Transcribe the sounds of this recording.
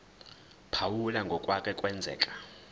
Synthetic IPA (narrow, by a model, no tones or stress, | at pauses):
pʰawulaŋɡʱɔkʼwakʰʼɛkʼwɛnd͡zʱɛ̰ːkʼḁ